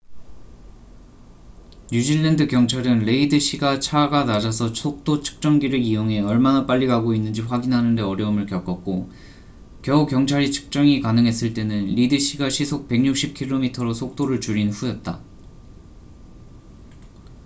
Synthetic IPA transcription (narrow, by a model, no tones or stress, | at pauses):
ɲud͡ʑiɭːendɯkjʌŋt͡ɕʰaɾɯnle̞idɯɕ͈iɡat͡ɕʰaɡanad͡ʑasʰʌt͡ɕʰok̚t͈ot͡ɕʰɯ̥k̚t͡ɕ͈ʌŋɡiɾɯijoŋɦe̞ʌɭmanap͈aʎːiɡaɡoinːɯnd͡ʑiɸwaɡinɦanɯnde̞ʌɾjʌɯmɯɭkjʌk͈ʌk̚k͈o | kjʌukjʌŋt͡ɕʰaɾit͡ɕʰɯ̥k̚t͡ɕ͈ʌŋikanɯŋɦe̞s͈ɯɭt͈e̞nɯnʎidɯɕ͈ʰiɡaɕʰisʰok̚pe̞ɡɲuk̚ɕ͈ʰip̚kʰiɭːomitʰʌɾosʰok̚t͈oɾɯɭt͡ɕuɾinɸujʌt̚t͈a̰